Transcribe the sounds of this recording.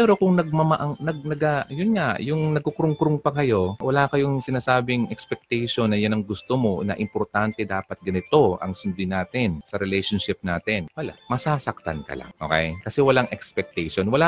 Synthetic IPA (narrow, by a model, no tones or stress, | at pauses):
pɛːɾo̞kʊŋnɐɡ̚mɐmɐʔaŋnɐɡ̚nɐɡajʊnŋaʔjʊŋnɐɡ̚kokɾʊŋkɾʊŋpɐkɐjo̞wɐlaːkɐjoŋsɪnaːsaːbɪŋʔɛkspɛk̚t̪ɛjʃonːɐjʊnɐŋɡʊst̪omo̞nɐ̰ʔɪmpoɾt̪ant̪ɛd̪aːpɐt̪̚ɡɐnɪt̪o̞ʔɐ̰ŋsʊnd̪ɪnaːt̪ɪnsɐɾɛlɛjʃonʃɪp̚naːt̪ɪnwɐla̰mɐsaːsɐk̚t̪a̰nkɐ̰la̰ŋʔo̞̰kɛ̰jkɐsɛwɐlaŋʔɛkspɛk̚t̪ɛjʃonwɐla